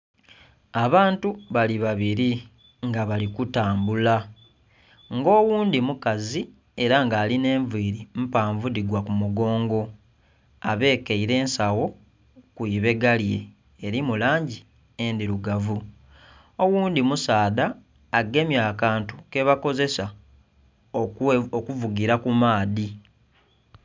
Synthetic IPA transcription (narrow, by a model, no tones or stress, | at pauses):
aβaːntuβaliβaβiɾi | ŋɡaβalikutaːmbula | ŋɡo̞ːwuːndimukazi | e̞ɾaŋɡaːline̞ːɱviːɾim̩paːɱvudiɡwakumuɡo̞ːŋɡo̞ | a̰βe̞ːkeiɾe̞ːnsawo̞ | kwiβe̞ɡalje̞̰ː | ɾimulaːɲɟi | endiɾuɡavu | o̞wuːnd̪imusaːðaː | ɡe̞mjaːkaːntu̥ke̞βako̞ze̞sa | ookuvuɡiɾakumaːði